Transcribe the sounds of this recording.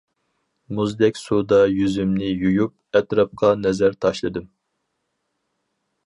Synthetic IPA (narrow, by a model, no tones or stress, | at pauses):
muzd̪ɛkʲsud̪ɑjyzymnɪjujup̚ɛt̪ɾɑp̚qʰɑnɛzæɾt̪ʰɑʃlˠɨd̪ɨm